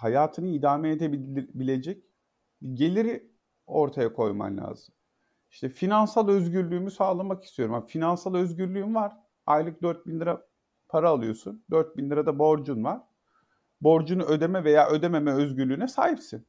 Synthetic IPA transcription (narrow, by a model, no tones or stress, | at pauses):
hajaːt̪ʰɯnɯid̪aːmɛːd̪ebibilʲe̞d͡ʒɛc̚ | biɟe̞lʲiɾi | o̞ɾt̪ʰajakʰo̞jma̰mlʲa̰ːz̥ɯm | iʃt̪ʰɛfinansalˠø̞zɟyɾlʲyːmysaːlˠamaki̥st̪ʰijo̞ɾumamafinansalˠø̞zɟyɾlʲyːymvaɾ̥ | ajlˠɯk̚d̪øɾt̪̚binlʲiɾa | pʰaɾaːlˠɯjo̞sund̪øɾt̪̚binliɾad̪abo̞ɾd͡ʒunvaɾ̥ | bo̞ɾd͡ʒunuʔø̞d̪e̞mɛve̞jaːʔø̞d̪e̞me̞mɛøzɟyɾlʲyːnɛsaːhipsin